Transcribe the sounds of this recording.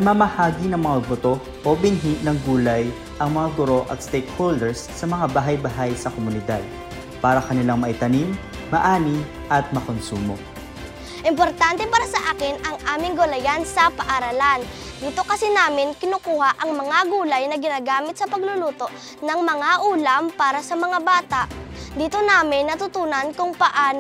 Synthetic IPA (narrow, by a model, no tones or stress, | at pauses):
nɐmamɐhaːɡinɐŋmɐŋabot̪o̞ | ʔobɪnɦiʔnɐŋɡuːlɐj | ʔɐŋmɐŋaɡʊɾoʔɐ̰t̪st̪ɛjkhold̪ɛɹsːɐmɐŋabaːɦɐjbaɦajsɐkomʊnɪd̪ad̪̚ | paːɾɐkɐnɪlaŋmɐʔɪt̪ɐnim | mɐʔaːni | ʔɐt̪̚mɐkonsuːmo̞̰ | ʔɪmpoɾt̪ant̪ɛpaːɾɐsɐʔaːkɪnɐŋʔaːmɪŋɡʊlɐjansɐpɐʔaɾalan | d̪iːt̪o̞kɐsinaːmɪnkɪnʊkuːhɐʔɐŋmɐŋaɡuːlɐjnɐɡɪnaːɡaːmɪt̪sɐpɐɡlʊluːt̪o̞ʔ | nɐŋmɐŋaʔuːlɐmpaːɾɐsɐmɐŋabaːt̪aʔd̪iːt̪onaːmɪnːɐt̪ʊt̪uːnɐnkʊŋpɐʔaːn